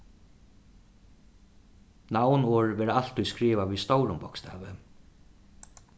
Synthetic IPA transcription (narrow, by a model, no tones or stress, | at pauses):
nawnɔːɹʋɛːɾaal̥t̪ujskɾiːvaʋist̪owɾʊmpɔkst̪ʰɛ̰ːvɪ